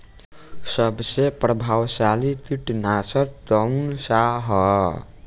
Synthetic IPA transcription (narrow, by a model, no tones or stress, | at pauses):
sʌbsepɾʌbʱawsalit̪iʈnasʌɾt̪ʌwnsaɦʌ